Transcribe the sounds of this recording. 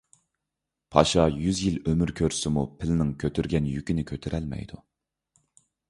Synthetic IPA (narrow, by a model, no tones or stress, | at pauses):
pʰɑʃɑjyzjilømyɾkʲʰøɾsɪmupʰɪlɪnɪŋkʲʰøt̪ʰyɾɡʲɛnjykʲinɪkʲʰøt̪ʰɪɾʔɛlmɛ̰jd̪u